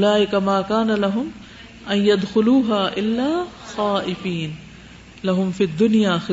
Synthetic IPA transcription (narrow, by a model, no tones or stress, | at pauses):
laːʔɪkamaːkaːnalɐɦʊm | ʔɐnjad̪xʊluːɦaːʔɪlːaːxaːʔɪfiːn | lɐɦʊmfiːd̪ːʊnjaːxɪ